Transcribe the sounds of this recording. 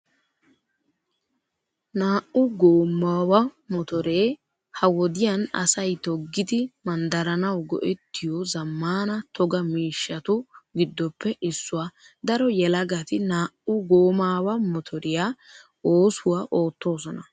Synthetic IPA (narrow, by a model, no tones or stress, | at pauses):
naːʔʊɡoːmːaːwɐmɔt̪ɔɾeː | hɐwɔd̪ɪjɐnɐ̰sɐjt̪ɔɡːɪd̪ɪmɐnd̪ɐɾɐnɐwɡɔ̰ʔɛt̪ʰːɪjɔzɐmːaːnɐt̪ʰɔɡɐmiːʃːɐt̪ʊɡɪd̪ːɔpʰːɛɪsːʊwaː | d̪ɐɾɔjɛlɐɡɐt̪ɪnaːʔʊɡoːmaːwɐmɔt̪ʰɔɾɪjaː | oːsʊwaʔo̞ːt̪ːo̞ːs̬ɔnɐ